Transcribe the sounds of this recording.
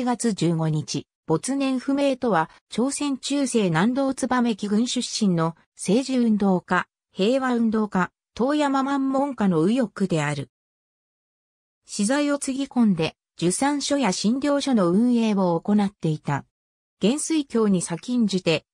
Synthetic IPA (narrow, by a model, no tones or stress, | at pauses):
ɡat͡sɨd͡ʑɨːɡo̞ɲ̟it͡ɕi | b̥o̞t͡sɨnẽ̞ɰ̃ɸɯ̟me̞ːt̪o̞βa | t͡ɕo̞ːsẽ̞ɲ̟t͡ɕɨːse̞ːnãnd̪o̞ːt͡sɨbame̞kʲiɡɯ̟̃ɰ̃ɕɨɕːĩnːo̞ | se̞ːʑiɯ̟̃nd̪o̞ːka | he̞ːβaɯ̟̃nd̪o̞ːka | t̪o̞ːjamamamːõ̞ŋkano̞ɯ̟jo̞kɯ̟d̪e̞aɾɯ̟ | ɕizaio̞t͡sɨɡʲikõ̞nd̪e̞ | d͡ʑɨsãɰ̃ɕo̞jaɕĩnd̪ʲo̞ːɕo̞no̞ɯ̟̃ɰ̃e̞ːβoːko̞nat̪ːe̞it̪a | ɡ̥ẽ̞ɰ̃sɨikʲo̞ːɲ̟isakʲĩɲ̟d͡ʑɨt̪e̞